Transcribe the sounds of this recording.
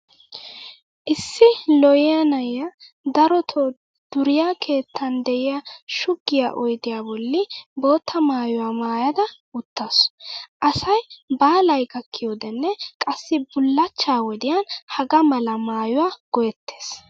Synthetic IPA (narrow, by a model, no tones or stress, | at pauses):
ʔɪsːɪlɔjɪjɐnɐjɐ | d̪ɐɾɔt̪ʰɔ | d̪̥ʊɾɪjakʰe̞ːt̪ʰːɐnd̪ɛʔɪjɐʃʊɡːɪja̰ʔɔjd̪ɪjaːbɔlːɪbo̞ːt̪ʰːɐmaːjʊwaːmaːjɐd̪ɐ | ʊt̪ːasʔɐsɐjbaːlɐjɡɐkːɪjoːd̪ɛnːɛkʼɐsːɪbʊlːɐt͡ʃːaːwɔd̪ɪjanhɐɡɐmɐlɐmaːjʊwaːɡ̥ɔjɛt̪ːe̥ːs